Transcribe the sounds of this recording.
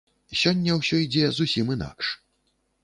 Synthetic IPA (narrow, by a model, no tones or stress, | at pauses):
sʲɔnʲːɐwsʲɔid͡zʲɛzusʲimina̰kʂ